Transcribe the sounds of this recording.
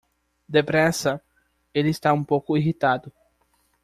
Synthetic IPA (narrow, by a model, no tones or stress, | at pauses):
d̪epɾɛsɐ | elɪːst̪aũmpowkʊiɦit̪ad̪ʊ